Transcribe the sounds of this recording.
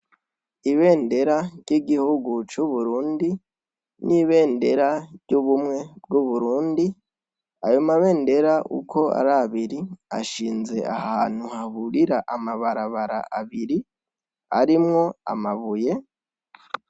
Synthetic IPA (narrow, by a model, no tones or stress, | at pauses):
iβe̞ːnde̞ɾaɾɟiɡihuɡut͡ʃuβuɾuːndi | nʔiβe̞ːnde̞ɾaɾɟuβumŋe̞b̚ɡuβuɾuːndi | ajomaβe̞ːnde̞ɾaʔṵko̞a̰ɾaβiɾia̰ʃiːnze̞a̰haːn̥huhahuɾiɾaʔamaβaɾaβaɾa̰ʔaβiɾi | aɾimŋo̞a̰maβuje̞